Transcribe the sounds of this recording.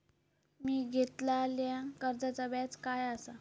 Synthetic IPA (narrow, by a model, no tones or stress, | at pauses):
miːɡʱet̪laljãkəɾd͡zat͡sabat͡skajasa